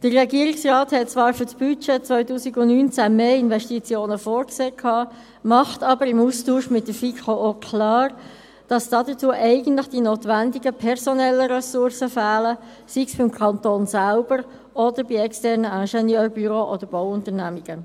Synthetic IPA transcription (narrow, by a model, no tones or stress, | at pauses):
d̥ərːɛɡiəɾiksrɑːthɛt̚t͡svɑːɾfʏsb̥yt͡ʃɛt͡sʋœʏtuːsiɡʊnnyːnt͡sæmeːɪnʋɛʃtit͡sjoːnəfoːɾkseːkʰɑː | mɑχtɑbəɾɪmustuːʃmɪtdəfikʰookʰlɑːʁ | d̥ɑsd̥ɑdət͡suəʔɛɪɡən̩tləχd̥inoːtʋændiɡəpʰɛʁsɔnɛlːəɾɛsʊɾsəfæːlə | siksb̥ɪmkʰɑntoːnsælbəɾ | ɔdəɾbiɛkstɛʁnəæʃɛnjœːrbyɾoːʔɔd̥əɾb̥oʊʊntəɾnæmiɡ̥ə